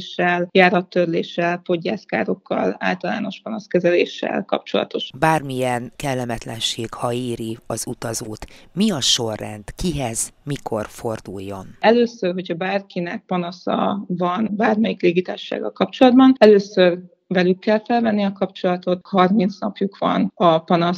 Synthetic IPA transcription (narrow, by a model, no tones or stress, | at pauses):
ʃːɛljaːɾɒt̪ːørlḛːʃɛlpo̞ɟːa̰ːska̰ːɾo̞kːɒ̰la̰ːlt̪ɒla̰ːno̞ʃpɒnɒskɛzɛlḛːʃːɛ̰lkɒ̰p̚t͡ʃo̞̰lɒ̰t̪o̞ʃbaːrmijɛnkɛlːɛmɛt̪lɛnʃeːɡhɒeːɾiɒzut̪ɒzoːt̪miɒʃo̞rːɛnt̪kiɦɛzmikʰo̞rfo̞rd̪ujːo̞nɛløːsørɦo̞cʰɒbaːrkinɛk̚pɒnɒsɒ̰vɒnbaːrmɛjikleːɡit̪aːʃːa̰ːɡɒ̰lkɒpt͡ʃo̞lɒd̪̚bɒnɛløːsør | vɛlykːɛlfɛlvɛnːiɒkɒpt͡ʃo̞lɒt̪o̞t̪hɒrmint̪snɒpjukʋɒ̰nɒpɒnɒs